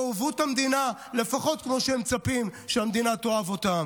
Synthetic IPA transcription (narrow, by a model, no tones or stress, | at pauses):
vuthamd̪inale̞faχo̞t̪̚kmo̞ʃeemt͡sapimʃeamd̪inat̪oavo̞tam